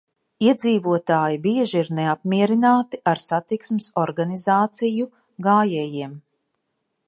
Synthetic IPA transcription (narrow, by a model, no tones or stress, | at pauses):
iɛd̪ziːvuɔt̪aːjibiɛʒiɾneap̚miɛɾinaːt̪iʔaɾsat̪iksmɪsɔɾɡanizaːt̪siju | ɡaːjɛːjiɛm